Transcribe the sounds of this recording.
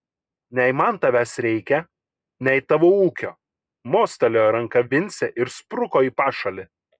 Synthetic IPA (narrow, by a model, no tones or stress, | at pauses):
nʲɛɪmɐnt̪ɐʋʲæsɾʲɛɪkʲɛ | nʲɛɪt̪ɐʋouːkʲo̰ː | moːsʲt̪ʲɛlʲojɾɐŋkɐʋʲɪnʲsʲɛʔɪɾspɾʊkoːiːpɑːʃɐlʲɪ